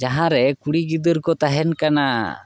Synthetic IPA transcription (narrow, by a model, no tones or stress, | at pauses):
d͡ʒaɦãɾɛkuɽiɡid̪əɾkɔt̪aɦɛnkana